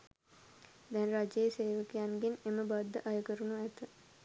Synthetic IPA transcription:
d̪ɛnrad͡ʒejeseːʋəkijanɡeneməbad̪ːəʔajəkəɾunuæt̪ə

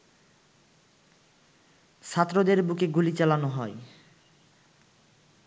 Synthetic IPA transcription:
ʃʰat̪ːɾod̪eɾbukeɡulit͡ɕalanoɦɔe

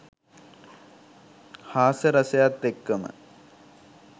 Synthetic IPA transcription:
haːsəɾɐsɐjat̪ːekːɐmə̰

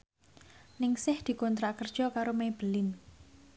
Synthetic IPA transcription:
nɪŋsɪhd̪̥i̤kɔnt̪ɾakərd̥ʒ̥ɔkaɾomeb̥əlɪn

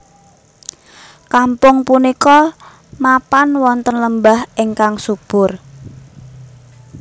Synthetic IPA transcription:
kampʊŋpunikɔ | mapanwɔnt̪ənləmbahʔɪŋkaŋsub̥ʊr

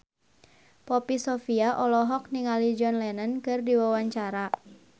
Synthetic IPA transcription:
pɔpisɔfiaʔɔlɔɦɔk̚niŋalid͡ʒɔnlɛnənkɨrdiwawaɲt͡ʃaɾa

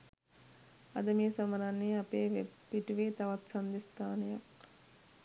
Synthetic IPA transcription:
ɐ̰d̪əmeːsaməɾanːeapeːʋepiʈʋeːt̪aʋat̪sand̪ist̪aːnəjak

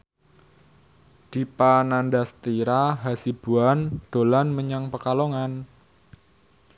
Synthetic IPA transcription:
d̪̥i̤panandast̪iɾaɦasib̥uand̪̥o̤lanməɲaŋpəkaloŋan

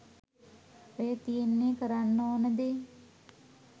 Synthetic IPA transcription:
ojət̪ijenːeːkəɾanːoːnəd̪e

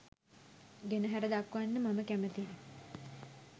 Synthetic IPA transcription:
ɡenəɦæɾəd̪akʋanːəmaməkæmət̪inə

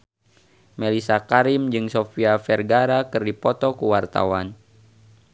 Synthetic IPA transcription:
mɛlisakaɾimd͡ʒɨŋsofiafɛrɡaɾakɨrdipɔt̪ɔkuwart̪a̰wan

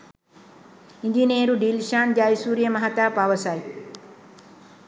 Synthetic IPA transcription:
iɲd͡ʒineːɾuɖiːlʃaːnd͡ʒaːjsuːɾijɐmɐɦat̪aːpaːʋɐsaːj

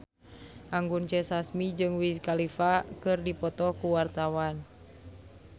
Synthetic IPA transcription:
ʔaŋɡunt͡ʃɛsasmid͡ʒɨŋwiskalifakɨrdipɔt̪ɔkuwart̪awan

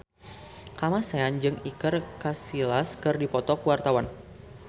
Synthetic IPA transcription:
kamaseand͡ʒɨŋikɨrkasilaskɨrdipɔt̪ɔkuwart̪awan

